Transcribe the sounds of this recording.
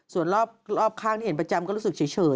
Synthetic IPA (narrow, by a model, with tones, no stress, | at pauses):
su˨˩ənɾɔː˥˩p̚ɾɔː˥˩p̚kʰaː˥˩ŋtʰiː˥˩˦npɾa˧t͡ɕa˧mkɔː˥ɾu˦˥sɯ˨˩k̚t͡ɕi˩˦jt͡ɕʰɤː˨˧